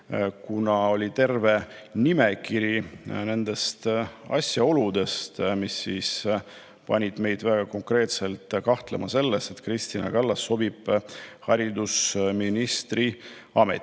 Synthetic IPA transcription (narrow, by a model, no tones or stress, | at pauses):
kunɑo̞lʲit̪e̞rve̞ | nime̞kiɾine̞nd̪̥e̞st̪ɑ̰sʲjɑo̞lud̪e̞st̪misːiːs | pɑ̰nʲid̪̥me̞jd̪̥væɡ̥ɑko̞ŋkre̞ːt̪selt̪ˑkɑht̪lemɑse̞lːest̪et̪krist̪inɑ̰kɑlːɑsːo̞bib̥hɑɾid̪usminist̪ri | ɑmḛt̪ː